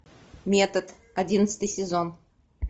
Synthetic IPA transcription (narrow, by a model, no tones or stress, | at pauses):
mʲet̪ət̪ | ɐdʲinət̪sə̥t̪ɨjsʲɪzon